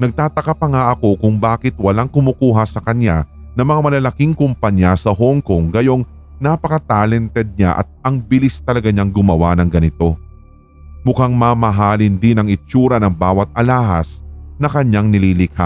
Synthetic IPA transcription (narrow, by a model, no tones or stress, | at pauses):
nɐɡ̚t̪aːt̪ɐkapɐŋaʔɐko̞kʊŋbaːkɪt̪̚wɐlaŋkʊmuːkuːɦɐsɐkɐɲːa | nɐmɐŋamɐlɐlɐkiŋkʊmpɐɲjasɐɦoŋkoŋɡɐjo̞ŋ | napɐkɐt̪aːlɛnt̪ɛd̪̚ɲa̰ʔɐ̰t̪̚ɐŋbɪlist̪ɐlɐɡaɲaŋɡʊmɐwanɐŋɡɐnɪt̪o̞ | mʊkaŋmaːmɐɦaːlɪnd̪inɐŋɪt͡ʃuːɾɐnɐŋbaːwɐt̪̚ɐlaːhɐ̰snɐkɐɲaŋnɪliːlɪkha̰